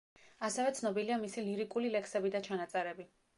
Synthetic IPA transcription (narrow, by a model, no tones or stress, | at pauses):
asɛvɛt̪sʰnɔbiliamisiliɾikʼulilɛksɛbid̪at͡ʃʰanat̪sʼɛɾɛbi